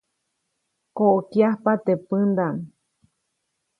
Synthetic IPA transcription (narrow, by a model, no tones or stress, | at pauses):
koʔkjahpat̪epɨnd̪an